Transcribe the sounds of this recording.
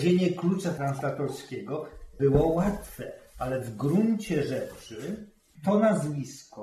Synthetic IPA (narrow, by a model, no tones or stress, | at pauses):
ʑeɲɛklut͡ʂat̪ɾanslat̪ɔɾskʲɛɡɔbɘwɔwat̪fɛalɛvɡɾuɲt͡ɕɛʐɛt͡ʂɘ | t̪ɔnazvʲiskɔ